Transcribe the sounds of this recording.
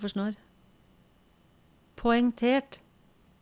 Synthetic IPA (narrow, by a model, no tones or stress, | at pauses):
fɔʂnoːɾ | pʰɔɛŋt̪ʰeːʈ